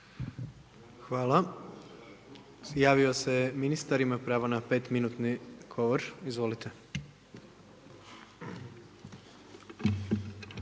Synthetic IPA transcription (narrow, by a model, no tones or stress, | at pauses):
xʋaːla | jaːʋioseminist̪aɾimapɾaːʋonape̞t̪minuːt̪niɡ̥o̞ʋoɾizʋo̞lit̪ʰe̞